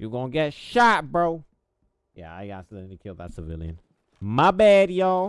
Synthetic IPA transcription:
jəɡõʊ̃nɡɛtʃat̚bɹoʊ | jæ̰a̰ɪɡɑ̰tsɪ̃ŋtɨkʰɪlˠðə̰tsəvɪ̰lˠjɨ̰̃n | mabɛdjɔ

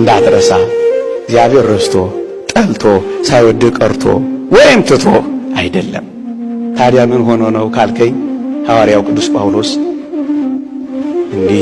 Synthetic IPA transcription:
ɨnd̪ad̪ɾəsaɪɡzjaβhe̞ɾːəst̪ʰo̞ | t̪ʼəlt̪ʰo̞sajwɔd̪ːɨkʼəɾt̪ʰo̞̰wɔjɪmt̪ʰɨt̪ʰo̞ʔajd̪əlːə̰m | t̪ʰad̪jamɨnɦo̞nənəwkʰalkʰəɲːhawaɾijawkʼɨd̪ːuspʼawlo̞s | ʔɨnd̪i

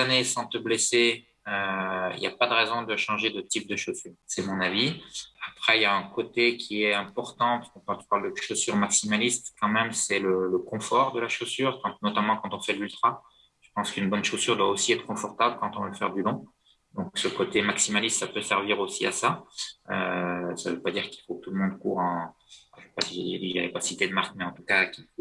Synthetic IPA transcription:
anesɑ̃t̪əblese | øḭljapad̪əʁezɔ̃d̪əʃɑ̃ʒed̪ət̪ip̚d̪əʃosyːʁsɛmɔ̃naviapχɛiljaɛ̃kot̪ekʲʰiɛɛ̃pɔʁt̪ɑ̃paskɔ̃kɑ̃t̪y̥paʁld̪əʃosyʁmaksimalist̪kɑ̃mɛmsɛlələkɔ̃fɔʁd̪əlaʃosyʁkɑ̃nɔt̪amɑ̃kɑ̃t̪ɔ̃fɛlylt̪χa | ʒ̥ə̥pɑ̃skynbɔnʃosyʁd̪waosiɛt̪χəkɔ̃fɔʁt̪abləkɑ̃t̪ɔ̃vəfɛ̰ʁd̪ylɔ̃ | d̪ɔ̃ksəkot̪emaksimalist̪sapøsɛʁviʁosia̰saø̰savøpad̪iʁki̥lfokət̪uləmɔ̃d̪kuʁɑ̃ | ʒəʃɛ̥pasiʒeed̪iʒa̰lɛpasit̪ed̪əmaʁkmɛɑ̃t̪ukakʲiu

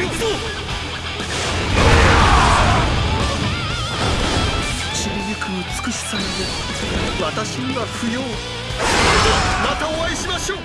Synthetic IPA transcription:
ɕiɾiɡʲikɯ̟mɯt͡sɨ̥kɯ̟ɕi̥samid̪e | βat̪aɕinɡaɸɯ̟joː | nat̪aoβaiɕimaɕoː

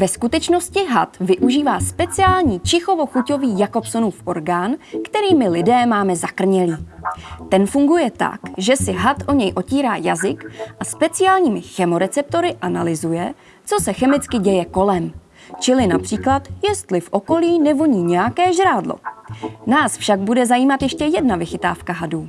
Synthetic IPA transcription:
vɛskut̪ɛt͡ʃno̞scɪɦat̪vɪʔuʒiːvaːspɛt͡sɪjaːlɲiːt͡ʃɪxo̞vo̞xuco̞viːjako̞pso̞nuːfʔo̞ɾɡaːnkt̪ɛɾiːmɪlɪdɛːmaːmɛzakr̩ɲɛliːt̪ɛnfuŋɡujɛt̪a̰kʒɛsɪɦat̪ʔo̞ɲɛjʔo̞ciːɾaːja̰zɪkʔaspɛt͡sɪjaːlɲiːmɪxɛmo̞ɾɛt͡sɛp̚t̪o̞ɾɪʔanalɪzujɛ | t͡so̞sɛxɛmɪt͡skɪɟɛjɛko̞lɛm | t͡ʃɪlɪnapr̝̥iːklat̪jɛst̪lɪfʔo̞ko̞liːnɛvo̞ɲiːɲɛjakɛːʒɾaːdlo̰naːsfʃaɡbudɛzajiːmat̪jɛʃcɛjɛdnavɪxɪt̪a̰ːfkaɦaduː

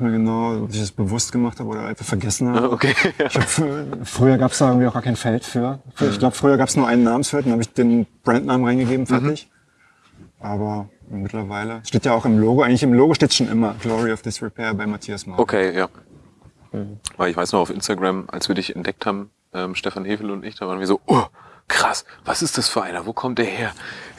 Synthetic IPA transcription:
miːɐɡənaʊʔɔ̰pɪçd̥asb̥əvʊstɡ̥əmaχthaːbəoːdɐ̰ʔa̰ɪnfaχfɛɐɡɛsn̩haːbaokʰeːɪçhaːbəffʁ̥yːɐɡaːpəsd̥aːʔɪɡŋ̩v̥iaʊxɡ̥aɐkʰaɪnfɛltfyːɐfyɐɪçɡ̥laʊbəfʁ̥yːɐɡaːpsnuɐʔaɪnənːaːbm̩sfɛɐtdanhaːbəɪçd̥eːnb̥ʁɛntnaːmənʁaɪnɡəɡeːbm̩fɛɐtɪç | ʔaːbɐ | mɪtʰlɐvaɪləsʃteːtjaaʊxɪmloːɡoaɪɡŋlɪçɪmloːɡoʃteːtsʃoːnʔɪ̰mɐɡlɔʁiɔfd̥ɪsʁipʰɛːɐbaɪmatʰiːasmɔokʰeːjaː | vaɪlɪçvaɪsnɔχaʊfʔɪnstaɡʁamʔa̰lsv̥iːɐdɪçɛntd̥ɛk̚thaːbm̩ | ʔɛːmʃtɛfanheːfl̩ʊntɪçd̥avaːʁn̩viːɐzoːʔokʁ̥asv̥asɪstd̥asfyːɐʔa̰ɪnɐvoːkʰɔmt̚d̥eːɐheːɐ

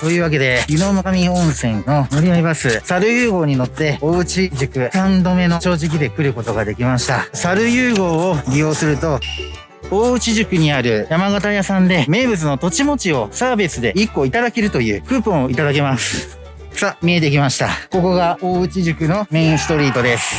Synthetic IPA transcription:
t̪o̞ːjɯ̟ːβak̬e̞d̪e̞jɯno̞makamʲiõ̞ɰ̃sẽ̞nːo̞moɾʲiaibasɨsaɾɯ̟jɯːɡo̞ːɲ̟ino̞t̪ːe̞o̞ːɯ̟t͡ɕiʑɨkɯ̟kãnd̪o̞me̞no̞t͡ɕo̞ːʑik̬ʲid̪e̞kɯ̟ɾɯ̟ko̞t̪o̞ɡad̪e̞kʲimaɕi̥t̪asaɾɯ̟jɯːɡo̞ːoɾʲijo̞ːsɨɾɯ̟t̪o̞ | oːɯ̟t͡ɕiʑɨkɯ̟ɲ̟iaɾɯ̟jamaɡat̪ajasãnd̪e̞me̞ːbɯ̟t͡sɨno̞t̪o̞t͡ɕimo̞t͡ɕio̞saːbesɨd̪e̞ikːo̞it̪ad̪ake̞ɾɯ̟t̪o̞jɯ̟̰ːkɯ̟ːpõɰ̃oit̪ad̪ake̞masɨ̥ | samʲie̞t̪̬e̞kʲimaɕi̥t̪a̰ko̞ko̞ɡao̞ːɯ̟t͡ɕiʑɨkɯ̟no̞mẽ̞ɰ̃sɨ̥t̪o̞ɾʲiːt̪o̞d̪e̞sɨ̥

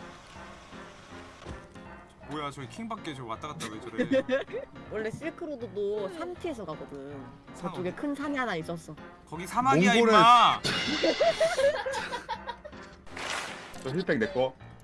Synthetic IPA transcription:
bojat͡ɕʌikʰiŋbak̚k͈et͡ɕowat͈aɡat͈aɡoet͡ɕʌɾe | wʌɭːe̞s͈iɭkʰɯɾododosʰamtʰiesʰʌɡaɡʌdɯn | kʌt͡ɕ͈oɡe̞kʰɯnsʰaɲiɦanais͈ʌs͈ʌ | kʌɡisʰanaoŋaɡonea | t͡ɕʌɕiɭpʰeŋnek͈o

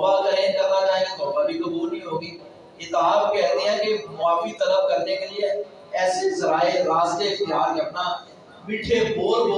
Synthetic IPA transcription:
bakəɾẽːkəɾnaːd͡ʒaːɦekebɔːɾbaːlikɐbuːlĩːɦoːɡiː | ɪt̪aːbkɛ̃ːnd̪iɦɛ̃ːkemʊaːfit̪ələb̚kəɾnekelɪe | ɛːsezəɾaːeɾaːst̪eɪkt̪ɪɦaːkeəpnaː | miːʈʰeboːɾboː

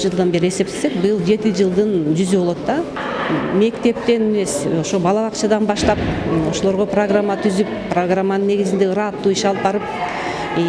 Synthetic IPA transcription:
d͡ʒɯlˠd̪anbe̞ɾie̞se̞p̚t̪e̥sek̚bɯjɯlˠd͡ʒe̞t̪id͡ʒɯlˠd̪ɯnd͡ʒyzybo̞lˠot̪d̪ɑ | me̞kt̪e̞p̚t̪e̞neme̞so̞ʃobɑlˠɑβɑqt͡ʃɑd̪ɑnbɑʃt̪ɑp̚o̞ʃolˠo̞ɾʁo̞proɡramːat̪ʰyzyppːroɡramːanɯnːe̞ɡizind̪e̞ɯɾɑt̪ːuːiʃɑlˠp̚bɑɾɯp̚

